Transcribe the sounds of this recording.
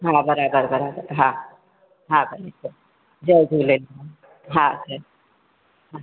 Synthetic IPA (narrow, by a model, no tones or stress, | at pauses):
ɦãbəɾabəɾbəɾabəɾɦã | ɦãbəlesə | d͡ʒədʱulela | ɦãsəɾ | ɦã